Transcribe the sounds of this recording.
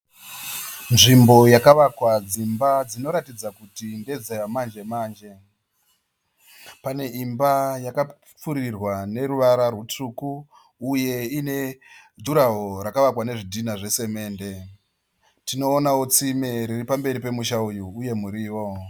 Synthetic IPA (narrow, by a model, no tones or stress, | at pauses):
nʐimbo̞jakaʋakwad͡zimbad͡zino̞ɾatid͡zakutinde̞d͡zejamand͡ʒe̞maːnd͡ʒe̞ | pane̞ʔimbajaka | p͡fuɾirwane̞ɾuʋaɾarwutukuː | je̞ine̞duɾaɦo̞ɾakaʋakwane̞ʐidʱinaʐe̞se̞me̞ːnde̞ | tino̞ːnawot͡simeɾiripambe̞ɾipe̞muʃaujuːje̞muɾiːwo̞